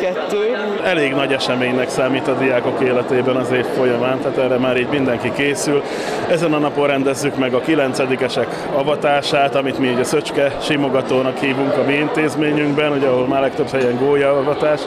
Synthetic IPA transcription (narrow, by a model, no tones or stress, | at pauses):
kɛt̪ːøː | ɛleːɡnɒɟɛʃɛmeːɲnɛksaːmiːt̪ɒd̪ijaːko̞keːlɛt̪eːbɛnɒzeːfːo̞jɒmaːnt̪aːt̪ɛːrːɛmaːɾiːɟmind̪ɛŋkikeːsyl | ɛzɛnɒnɒpo̞rrɛnd̪ɛzːykmɛɡɒkilɛnt̪sɛd̪ikɛʃɛk | ɒvɒt̪aːʃaːt̪ɒmit̪miuɟɒsøt͡ʃkɛʃimo̞ɡɒt̪oːnɒkhiːvuŋkɒmiint̪eːzmeːɲyŋɡbɛnuɟɒɦo̞lmaːrlɛk̚t̪ø̞bhɛjɛŋɡoːjɒvɒt̪aːʃ